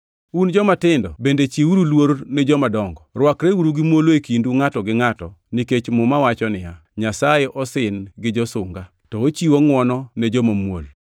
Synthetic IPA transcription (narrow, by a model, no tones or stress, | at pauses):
und͡ʒɔmatɪndɔbendet͡ʃiuɾulwoɾnɛd͡ʒɔmadɔŋɡɔrwakɾeuɾuɡimwoloekinduŋatɔɡɪŋatɔniket͡ʃmʊmawat͡ʃɔnɪja | ɲasajeʔɔsɪnɡɪd͡ʒɔsʊŋɡa | tɔot͡ʃiwoŋwɔnɔned͡ʒɔmamwo̰l